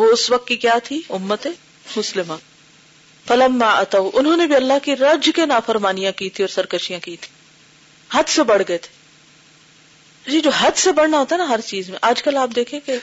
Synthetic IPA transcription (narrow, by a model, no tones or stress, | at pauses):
ʋoʊsʋɐq̚t̪kikjaːt̪ʰiʊmːət̪e | mʊslɪma | fɐlɐmːaːʔɐt̪ɐwʔʊnɦõːnebʱiɐlːaɦkiɾɐd͡ʒkenaːfɐɾmaːnijãkiːt̪ʰiɔːɾsɐɾkəʃijãkiːt̪ʰĩ̥ | hɐd̪sebɐɽ̤ɡɐet̪ʰe̥ | d͡ʒid͡ʒoːɦɐd̪sebɐɽ̤naɦoːt̪aɦɛnaɦɐɾt͡ʃiːzmẽʔaːd͡ʒkɐlaːp̚d̪eːkʰẽke